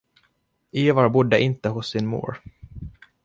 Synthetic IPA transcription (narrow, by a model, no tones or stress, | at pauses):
iːvaɾbʊd̪ːəʔɪnt̪əɦʊsːɪnmṵːɾ